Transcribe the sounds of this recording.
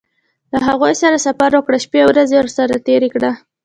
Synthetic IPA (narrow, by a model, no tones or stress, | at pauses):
laɦaɣojsaɾasafaɾwəkɽaʃpewɾazewɾsaɾat̪eɾekɽa